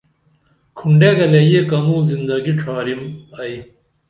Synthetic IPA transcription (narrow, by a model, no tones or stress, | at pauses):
kʰuɳɖeːɡɐlejekɐmuːzind̪ɐɡiʈ͡ʂʰaːɾimɐj